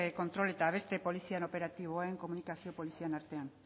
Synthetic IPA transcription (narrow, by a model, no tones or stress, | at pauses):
ko̞nt̪ɾo̞le̞t̪aːβ̞e̞st̪e̞po̞lisiano̞pe̞ɾat̪iβ̞oeŋko̞munikasio̞po̞lisianaɾt̪e̞an